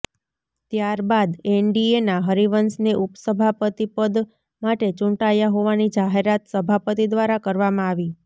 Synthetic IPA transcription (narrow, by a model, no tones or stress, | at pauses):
t̪jaɾbad̪eɳɖienaɦəɾiʋənsneʔupsəbʱapət̪ipəd̪ | maʈet͡ʃũɳʈajaɦoʋanid͡ʒaɦeɾat̪səbʱapət̪id̪ʋaɾakəɾʋamãaʋi